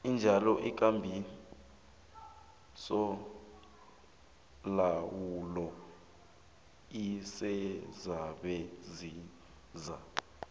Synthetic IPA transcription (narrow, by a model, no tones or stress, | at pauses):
ind͡ʒʱalɔʔik̬ʼambʱi | sɔ | lawulɔ | isɛzaɓɛzi | za